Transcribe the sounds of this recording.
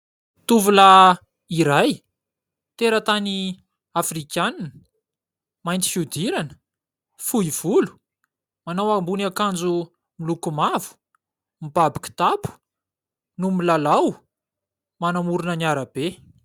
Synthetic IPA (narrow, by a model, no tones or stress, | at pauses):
t̪uvula | iɾaj | t̪eɾət̪ani | afrikʲjananə̥ | majnt̪i̥fiud̪iɾanə̥ | fuiv̥ulu̥ | manawambunakand͡zu | milukumavu̥ | mibabi̥kʲu̥t̪apu̥ | numilalaw | manamuɾunəniaɾab̥e